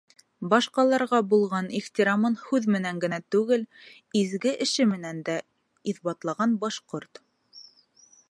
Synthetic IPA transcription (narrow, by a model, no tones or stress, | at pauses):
bɑʃqɑlˠɑɾʁɑbulˠʁɑniχt̪ʲiɾɑmɤnhʉðmɘ̆næŋɡɘ̆næt̪ʉɡɘl | izɡɘʔɘ̆ʃɘmɘ̆nænd̪æ | iθbɑt̪lˠɑʁɑnbɑʃqoɾt̪